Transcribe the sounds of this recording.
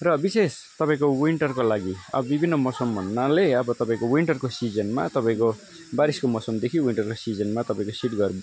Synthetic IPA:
rʌbisest̪ʌpãĩkowiɳʈʌrkolaɡiʌ̰bʌbibʱinːʌmʌsʌmʱʌnːaleʌbʌt̪ʌpãĩkowiɳʈʌrkosid͡zʌnma̰t̪ʌpaĩko | baɾiskomʌsomd̪ekʰiwiɳʈʌrkosid͡zʌnmat̪ʌpaĩkosiʈɡʌr

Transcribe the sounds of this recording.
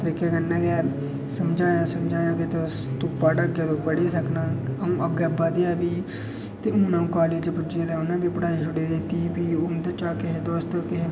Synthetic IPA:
t̪əɾiːkeːkənːɛ̃ːɡɛː | səmd͡ʒaːjãːsəmd͡ʒaːjãːkɪt̪ost̪ʊpːaːɖəɡeːd̪oːpəɽisəknãːəũːʔəɡɛːbaːd̪ɪaːbiː | t̪eːʊ̃ːnãũːkaːleːd͡ʒpʊd͡ʒeːd̪eːʊnãːbiːpəɽaːiːʃʊɽeːd̪eːt̪iːpiːʊnt̪ət͡ʃaːkɪɦeːd̪oːst̪əkɪɦe

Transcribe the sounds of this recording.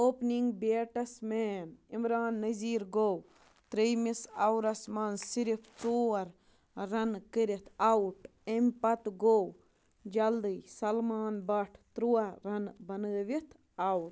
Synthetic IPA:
oːpniŋɡbeːʈɐsmeːnimɾaːnːɐziːɾɡow | t̪ɾejmisɐwɾɐsmɐnsiɾipʰt͡soːɐɾ | ɾɐnkəɾit̪ʰawʈ | emʲpɐt̪ɡow | d͡ʒɐld̪ɨjsɐlmaːnbɐʈʰt̪ɾuwaɾɐnbɐnəːʋit̪ʰ | awʈ

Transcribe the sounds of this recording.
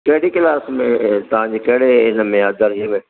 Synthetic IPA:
kɐɦɪɽikɪlaːsmẽt̪ɐʋ̤ãɲd͡ʑekɐɦɪɽeɪnəmẽəd̪əɾɦiəmẽ

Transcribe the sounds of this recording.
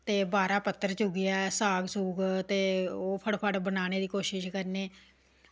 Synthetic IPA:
t̪eːbaːɾaːpət̪ːəɾt͡ʃʊɡɪaːsaːɡsuːɡt̪eːoːpʰəɽpʰəɽbənaːɽ̃eːd̪iːkoːʃɪʃkəɾneː

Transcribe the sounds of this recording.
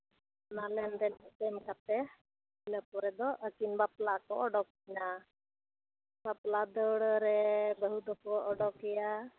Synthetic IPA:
nalɛnɾɛnɛt̪ɛmkat̪ɛ | nəpɔɾɛd̪ɔʔəkinbaplakɔɔɖɔk̚ːina | baplad̪əɽəɾɛbəɦud̪ɔkɔʔɔɖɔkɛja

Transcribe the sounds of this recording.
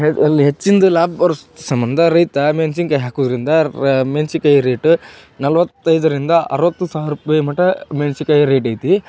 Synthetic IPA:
ɦɐlːiɦet͡ʃːind̪ulaːbɐɾssɐmbɐnd̪ʱɐɾɐjt̪ɐmensiŋkɐjɦaːkuːd̪ɾind̪ɐmensikɐjɾeːʈ | nɐlʋɐt̪ːɐjd̪ɐɾind̪ɐʔɐ̰ɾʋɐt̪ːusaːɾupɐjmɐʈɐmeːnsikɐjɾeːʈɐjt̪i

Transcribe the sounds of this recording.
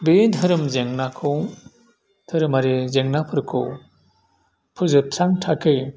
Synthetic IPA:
bentʰɯɾɯmzeŋnakʰɯw | tʰɯɾɯmaɾezeŋnapʰɯɾkʰɯ̰w | pʰɯzɯɾ̚tʰɾaŋtʰakʰɯj

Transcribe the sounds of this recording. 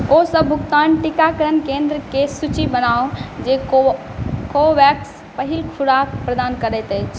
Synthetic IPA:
osəbːʱukt̪anʈikakəɾənkend̪ɾəkesut͡ʃibənaod͡ʒe | koʋɛks | pəɦilkʰuɽakpɾəd̪ankəɾɛjt̪əjt͡ʃʰ

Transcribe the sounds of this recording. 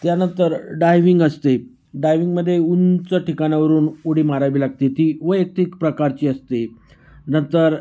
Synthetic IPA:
t̪janənt̪əɾɖajʋiŋɡəst̪e | ɖajʋiŋɡməd̪ʱːjeunt͡səʈikañjaʋəɾuːnuɽiːmaɾaʋiːlaɡ̚t̪et̪iːʋəjet̪ikpɾəkaɾt͡ɕiːəst̪e | nənt̪əɾ

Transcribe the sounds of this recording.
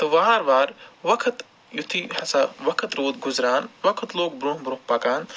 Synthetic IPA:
t̪ɐʋaːɾʋaːɾʋɐkʰɐt̪ | jut̪ʰihɐsɐʋɐkʰɐt̪ɾoːd̪̚ɡʊzɾaːnʋɐkʰət̪loːk̚bɾõhbɾokpɐkaːn

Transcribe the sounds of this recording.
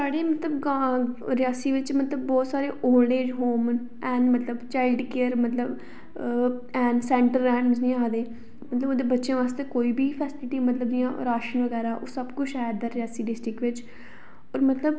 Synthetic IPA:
saːɽeːmət̪ləbɡaɾɪjaːsiːʋɪt͡ʃmət̪ləbːɔːt̪saːɾeːʔoːleːd͡ʒɦoːmən | ɛ̃ːnmət̪ləbt͡ʃaːɪlɖkeːəɾmət̪ləb | ɛ̃ːnsɛ̃ːɳʈəɾːɛ̃ːmmznĩːaːd̪eː | mət̪ləboːd̪eːbətːʃjẽːʋaːst̪eːkoːiːbiːpʰɛːsɪlɪʈiːmət̪ləbd̪ɪjãːɾaːʃənʋəɡɛːɾaːʔoːsəbkʊt͡ʃʰɛːd̪aːɾɪjaːsiːɖɪsʈɾɪkʋɪt͡ʃ | ɔːɾmət̪ləb

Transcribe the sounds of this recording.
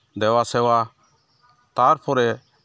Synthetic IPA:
d̪ɛwasɛwa | t̪aɾpʰɔɾɛ

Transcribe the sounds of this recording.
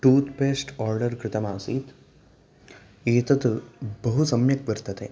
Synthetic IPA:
ʈuːt̪peːsʈɔːɾɖɐɾkɾɪt̪ɐmaːsiːt̪ | eːt̪ɐt̪bɐɦusɐmjɐk̚ʋɐɾt̪ɐt̪e

